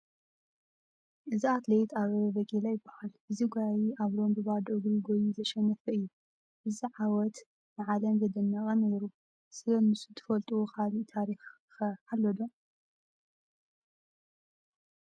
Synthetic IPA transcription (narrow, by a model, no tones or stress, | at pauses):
ʔɨziat̪lejt̪ʰaβɐbɐkʼelajɪbːḁhalʔɨziɡʷjajiʔaβɾo̞mbɨβad̪ʔɨɡɾiɡojuzɐʃɛnːɐfɐɨjːu | ʔɨziʕawɔt̪ | nɨʕalɐmɡɐd̪ɐnːɐkʼɐneɾu | sɨlɐnɨsut̪ʰɨ̥fɐlt̪ʼuwokʰaliʔt̪ʰaɾix | xɐħalːɐd̪om